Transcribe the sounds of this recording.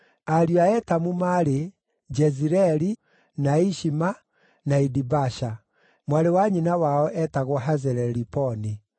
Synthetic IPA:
aɾjuaɛtamumaɾe | d͡ʒɛziɾɛɾi | naiʃima | naidibaʃa | mwaɾewaɲinawaɔʔɛtaɣwɔɦazɛɾɛɾipɔni

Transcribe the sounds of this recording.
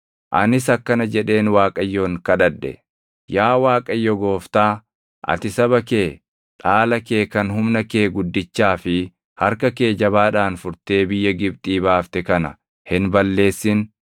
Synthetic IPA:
ʔɐ̰nɪs̬ɐkːɐnɐd͡ʒɛᶑe̞ːnwaːkʼɐjːoːŋkɐᶑɐᶑːɛ̰ | jaːwaːkʼɐjːɔɡo̞ːft̪aː | ʔɐ̰t̪ɪsɐβɐke̞ː | ᶑaːlɐke̞ːkɐnɦʊmnɐkeːɡʊd̪ːɪt͡ʃːaːfɪ | hɐɾkɐke̞ːd͡ʒɐβaːᶑaːnfʊɾt̪e̞ːbɪjːɐɡɪb̚t̪ʼiːbaːft̪ɛkɐnɐ̰ | hɪnbɐlːe̞ːsːɪn

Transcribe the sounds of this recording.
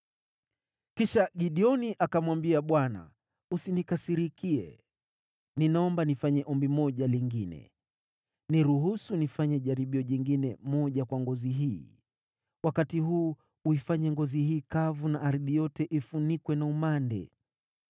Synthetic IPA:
kiʃaɠiɗiɔniʔakamwambiaɓwana̰ | usinikasiɾikiɛ̰ | ninaɔmbanifaɲɛʔɔmbimɔʄaliŋɡinɛ̰ | niɾuɦusunifaɲɛʄaɾiɓiɔʄiŋɡinɛmɔʄakwaŋɡɔziɦiː | wakatiɦuː | uifaɲɛŋɡɔzihiːkavunaʔaɾðijɔtɛʔifunikwɛnaumandɛ̰

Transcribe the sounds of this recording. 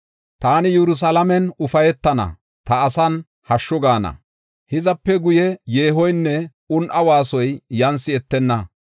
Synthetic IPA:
t̪aːnɪjɛɾʊs̬ɐlɐmɛnʊfɐjɛt̪ːɐnɐ̰ | t̪ɐːsɐn | hɐʃːɔɡaːnɐ̰ | hɪzɐpːɛɡʊjɛjeːɦɔjnːɛ | ʊnʔɐwaːsɔjːɐnsɪɛt̪ːɛnːɐ

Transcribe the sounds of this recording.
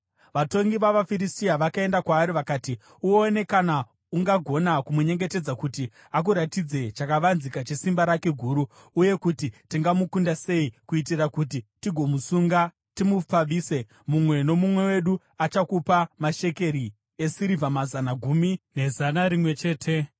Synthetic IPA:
ʋato̞ŋɡiʋaʋafiɾistiaʋakae̞ndakwaːɾiʋakaːti | uoːne̞kana | uŋɡaɡʱo̞nakumuɲe̞ŋɡe̞te̞d͡zakuti | ak̬uɾatid͡ze̞t͡ʃakaʋanzikat͡ʃe̞simbaɾake̞ɡʱuːɾuː | je̞kutitiŋɡamukundase̞ikuit̬irakut̬itiɡʱo̞musuŋɡa | timup͡faʋiːse̞ | mumwe̞no̞mumwe̞we̞ɗu | at͡ʃakupamaʃe̞ke̞ɾi | esiɾivamazanaɡʱumine̞zanaɾimwe̞t͡ʃe̞ːtʰe

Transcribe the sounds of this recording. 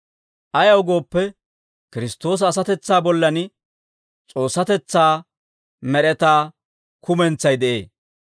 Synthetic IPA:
ʔɐjɐwʊɡo̞ːpːɛ | kɪɾɪst̪o̞ːs̬ɐːs̬ɐt̪ɛt͡sːaːbɔlːɐn | t͡sʼo̞ːsːɐt̪ɛt͡sːaː | mɛɾɛt̪aː | kʊmɛnt͡sːɐjd̪ɛʔe̞̰ː

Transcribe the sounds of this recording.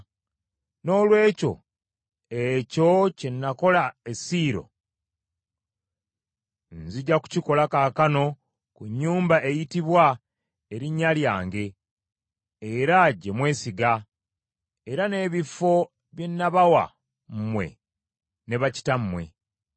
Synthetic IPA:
no̞ːlwe̞ːco̞̰ | eco̞cenːako̞laesiːɾo̞̰ | nziɟaku̥ciko̞lakaːkano̞ | kuɲːuːmbae̞jitiβwa | eɾiɲːaljaːŋɡe̞ | ɾaɟe̞mwe̞ːsiɡa | eɾane̞ːβifo̞ | βje̞nːaβawa̰ | m̩mwe̞̰ | ne̞βaci̥tam̩mwe̞̰

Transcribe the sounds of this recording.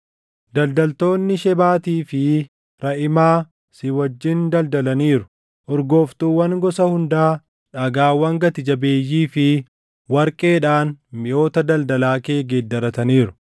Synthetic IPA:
d̪ɐld̪ɐlt̪o̞ːnːɪʃɛbaːt̪iːfɪ | ɾɐʔɪmaː | sɪwɐd͡ʒːɪnd̪ɐld̪ɐlɐniːɾʊ | ʔɔɾɡo̞ːft̪uːwːɐŋɡɔsɐhʊnd̪aː | ᶑɐɡaːwɐŋɡɐt̪ɪd͡ʒɐbe̞ːjːiːfɪ | wɐɾkʼe̞ːᶑaːnmɪʔo̞ːt̪ɐd̪ɐld̪ɐlaːke̞ːɡeːd̪ːɐɾɐt̪ɐniːɾʊ̥

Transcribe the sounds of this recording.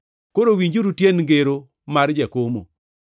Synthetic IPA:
koɾowiɲd͡ʒuɾutjenŋɡeɾo | maɾd͡ʒakomo̰

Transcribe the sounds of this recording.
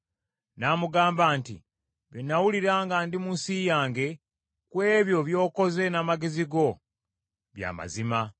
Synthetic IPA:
namuɡaːmbaːntḭ | βenːawuliɾaːŋɡaːndimunsijaːŋɡe̞ | kwe̞ːβjo̞βjo̞ːko̞ze̞namaɡe̞ziɡo̞ | βja̰ːma̰zima

